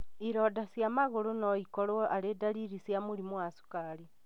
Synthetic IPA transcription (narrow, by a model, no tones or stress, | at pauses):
iɾodasjamaɣoɾonoikolɔʔaledaɾiɾisjamuɾimwasu̥kaɾi